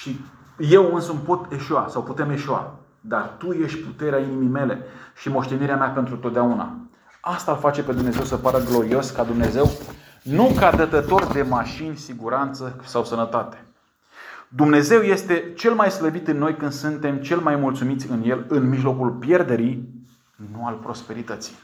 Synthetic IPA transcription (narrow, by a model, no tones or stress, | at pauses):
ʃi | je̞wɨnsəmpo̞t̪e̞ʃuasawput̪e̞me̞ʃua̰ | d̪art̪uje̞ʃt̪ʲput̪e̞ɾeainimijme̞le̞ʃimo̞ʃt̪e̞niɾeamapent̪ɾut̪ot̪d̪auna̰ | ast̪aːlfat͡ʃe̞pe̞d̪umne̞ze̞wsəpaɾəɡlo̞ɾio̞skad̪umne̞ze̞w | nukad̪ət̪ət̪o̞rd̪e̞maʃinʲsiɡuɾant̪səsawsənət̪at̪e̥ | d̪umne̞ze̞wje̞st̪e̞t͡ʃe̞lmajsləbit̪ɨnːo̞jkɨnd̪sunt̪e̞mt͡ʃe̞lmajmult̪sumit̪sʲɨnje̞lɨnmiʒlo̞kulpje̞rd̪e̞ɾi | nualpɾo̞spe̞ɾit̪ət̪si̥j